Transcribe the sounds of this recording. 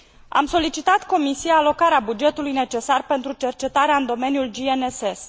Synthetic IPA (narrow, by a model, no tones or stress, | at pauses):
a̰mso̞lit͡ʃit̪at̪ko̞misijaːlo̞kaɾeabud͡ʒe̞t̪ulujne̞t͡ʃe̞sarpe̞nt̪ɾut͡ʃe̞rt͡ʃe̞t̪aɾeaɨnd̪o̞me̞njuld͡ʒieneses